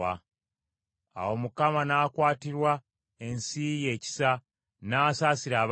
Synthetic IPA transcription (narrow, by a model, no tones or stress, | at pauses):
a | a̰wo̞mukamanaːkwaːtiɾwa | e̞nsije̞ːci̥sa | naːsaːsiɾaːβ